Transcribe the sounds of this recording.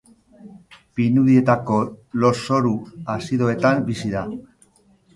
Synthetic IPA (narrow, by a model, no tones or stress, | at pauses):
pinuðie̞t̪ako̞lo̞so̞ɾuasiðo̞e̞t̪ambisiða